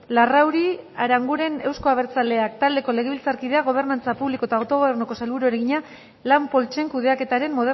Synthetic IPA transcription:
larawɾiaɾaŋɡuɾe̞ne̞wsko̞aβ̞e̞ɾt͡sale̞ak̚t̪ald̪e̞ko̞le̞ɣ̞e̞βilt͡saɾkið̞e̞aɣ̞o̞β̞e̞ɾnant͡sapuβliko̞t̪aowt̪o̞ɣ̞o̞βe̞rnuko̞salβuɾoeɾeɣiɲa | lampo̞lt͡ʃe̞ŋkuð̞e̞ake̞t̪aɾe̞mːo̞ðe

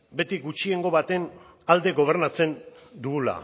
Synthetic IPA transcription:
be̞t̪iɡut͡ʃie̞ŋɡo̞βat̪e̞n | ald̪e̞ɣo̞β̞e̞ɾnat͡se̞n | d̪uɣula̰

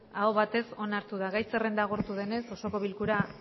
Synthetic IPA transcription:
aoβat̪e̞so̞naɾt̪uð̞aɣajse̞re̞nd̪aɣ̞oɾt̪uðe̞ne̞so̞so̞ko̞βilkuɾa

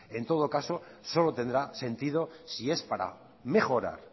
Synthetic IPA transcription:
e̞nt̪o̞ð̞okaso̞so̞lot̪e̞nd̪ɾase̞nt̪ið̞osie̞spaɾa̰ | me̞xo̞ɾa̰ɾ

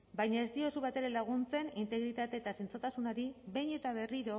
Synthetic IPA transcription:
bajɲae̞st̪io̞suβat̪e̞ɾe̞laɣ̞unt͡se̞nint̪e̞ɣɾit̪at̪e̞ːt̪asint͡so̞t̪asunaɾiβe̞jɲe̞t̪aβ̞e̞riɾo̞

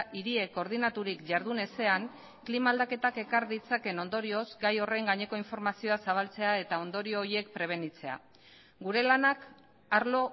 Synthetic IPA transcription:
ʔiɾie̞ko̞ɾð̞inat̪uɾikʝaɾðune̞se̞aŋ | klimaːld̪ake̞t̪ake̞kaɾðit͡sake̞no̞nd̪o̞ɾio̞zɡajo̞re̞ŋɡaɲe̞ko̞iɱfo̞ɾmasio̞asaβ̞alt͡se̞ae̞t̪ao̞nd̪o̞ɾio̞ːie̞kpɾe̞β̞e̞nit͡se̞a̰ | ɡuɾe̞lanak | aɾlo̞

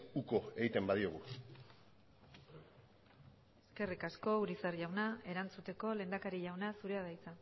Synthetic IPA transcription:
uko̞eɣit̪e̞mbaðioɣ̞u | eske̞rikasko̞uɾisarʝawnae̞ɾant͡sut̪e̞ko̞le̞ːnd̪akaɾiʎawnasuɾe̞að̞ajt͡sa

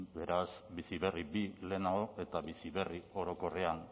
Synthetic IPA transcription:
be̞ɾasbisiβe̞ribile̞naoe̞t̪aβisiβe̞rio̞ɾo̞ko̞re̞an

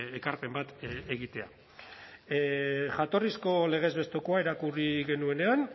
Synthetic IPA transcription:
ekaɾpe̞mbat̪eɣit̪e̞a̰ | ʝat̪o̞risko̞le̞ɣ̞e̞zβe̞st̪okoaeɾakuriɣe̞nue̞ne̞an

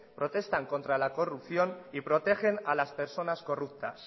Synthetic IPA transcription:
pɾo̞t̪e̞st̪aŋko̞nt̪ɾalako̞rupθjo̞nipɾo̞t̪e̞xe̞nalaspe̞ɾso̞nasko̞rup̚t̪a̰s

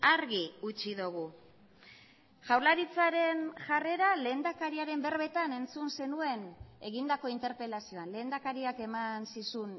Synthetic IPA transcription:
aɾɣiut͡ʃiðuɣ̞u | ʝawɾlaɾit͡saɾe̞nʝare̞ɾale̞ːnd̪akaɾiaɾe̞mbe̞ɾβe̞t̪ane̞nt͡sunse̞nue̞ne̞ɣind̪ako̞int̪e̞ɾpe̞lasio̞anle̞ːnd̪akaɾiake̞mansisun

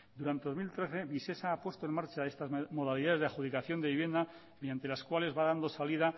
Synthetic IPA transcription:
d̪uɾant̪e̞ðo̞zmilt̪ɾe̞θe̞βise̞saːpwe̞st̪oe̞ŋmaɾt͡ʃae̞st̪azmo̞ð̞aliðaðeðeaxuðikaθjo̞nd̪eiβje̞nd̪a | meðjant̪elaskwale̞zβaðand̪o̞saliða

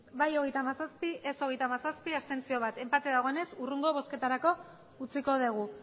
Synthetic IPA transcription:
bajo̞ɣ̞e̞jt̪amasaspiʔeso̞ɣ̞e̞jt̪amasaspiast̪e̞nt͡sio̞β̞at̪e̞mpat̪eðaɣ̞o̞ene̞suruŋɡoβ̞o̞ske̞t̪aɾako̞ | ut͡siko̞ð̞eɣ̞u

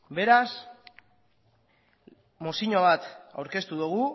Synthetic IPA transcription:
be̞ɾas | mosiɲo̞β̞at̪a̰wɾke̞st̪uðuɣ̞u

